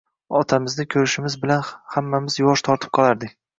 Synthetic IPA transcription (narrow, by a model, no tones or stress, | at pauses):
ɒt̪ʰamɪznɪkʲʰɵɾɪʃɪmɪzbɪlanhamːamɪzjɒʃt̪ʰɒɾt̪ʰɪ̥p̚qʰɒlˠaɾd̪ɪkʲ